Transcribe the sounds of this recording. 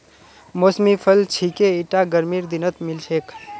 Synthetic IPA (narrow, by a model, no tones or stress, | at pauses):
mosmipʰəlt͡ʃʰikeiʈaɡəɾmiːɾd̪inət̪milʃʰek